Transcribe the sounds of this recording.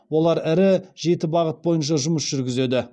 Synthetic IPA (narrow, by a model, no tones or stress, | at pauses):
wo̞lˠɑɾɪɾɪʒe̞t̪ɪbɑʁət̪̚bo̞jənʃ̬ɑʒʊməsʒ̥ʏɾɡʲɪze̞d̪ɪ